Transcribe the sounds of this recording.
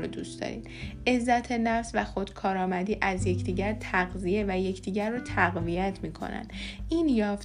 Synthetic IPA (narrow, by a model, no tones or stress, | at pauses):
ɾod̪ust̪ɒ̰ɾḭd̪ʔe̞zːæt̪ʰe̞næfsvæxo̞d̪̥kʰɒːɾɒːmæd̪iːʔæzjecʰd̪iːɟæɾt̪ʰæɣzije̞væje̞cʰd̪iːɟæɾːot̪ʰæɣvijæt̪ʰmiːkʰo̰næ̰nd̪̥ʔiːnjɒːf